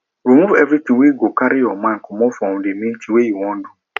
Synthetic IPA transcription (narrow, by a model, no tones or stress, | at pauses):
ɾomũfɛvɾit̪ĩweiɡokaɾɪjɔmãkʊmɔ̃fɔ̃wʊ̃demĩn̩tʰĩwejiwɔ̃n̩dʊ